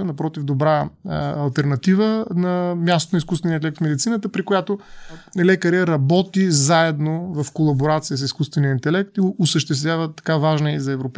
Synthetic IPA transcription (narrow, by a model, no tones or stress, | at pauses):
ənɐpɾɔt̪ivd̪obɾaːlˠt̪ɛɾnɐt̪ivənɐmʲjast̪oniskusvɛniəint̪ɛlɛk̚t̪fmɛd̪it̪sinət̪əpɾikojat̪onɛlɛkəɾɛɾɐbɔt̪izaɛd̪novɐfkolˠɐboɾat̪sijəs̬iskust̪vɛniəint̪ɛlɛk̚t̪iɡːsəʃt̪ɛst̪vʲjavət̪ːɐ̥kavaʒnəizɐɛvɾop